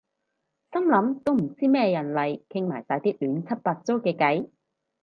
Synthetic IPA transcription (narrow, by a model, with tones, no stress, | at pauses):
sɐ˥mlɐ˨˧˥mt̪o˥wm̩˨˩t͡siː˥mɛː˥jɐ˨˩nlɐ˨jkʰɪ˥ŋmaː˨˩jsaː˨˥jt̪iː˥lyː˨˥nt͡sʰɐ˥t̚paː˧t̚t͡so˥wkɛː˧kɐ˨˥j